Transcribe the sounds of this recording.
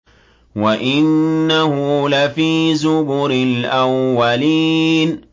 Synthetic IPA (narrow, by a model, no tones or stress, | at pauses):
waʔɪnːahʊlafiːzʊbʊɾɪlʔawːaliːn